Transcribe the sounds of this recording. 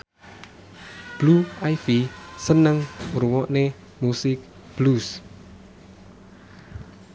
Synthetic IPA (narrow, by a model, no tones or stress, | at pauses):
b̥luajfisənəŋuɾuwɔʔne | musɪk̚ | b̥lus